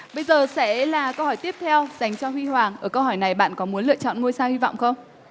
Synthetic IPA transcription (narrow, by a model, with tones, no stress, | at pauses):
ɓə˧jzəː˨˩sɛ̰˧˥laː˨˩kə˧whɔː˧˩jt̪i˦˥əp̚t̪ʰɛ˧wz̥a˨˩jŋ̟t͡ɕɔ˧hwi˧hwaː˨˩ŋʔəː˧˩kə˧wɦɔː˧˩jna˨˩jɓa̰ː˧˨nkɔ˨˦mu˨˦ənlɨ̰˧˨ət͡ɕɔ̰˧˨nŋu˧jsaː˧hwi˧va̰˧˨wŋ͡mxə˧wŋ͡m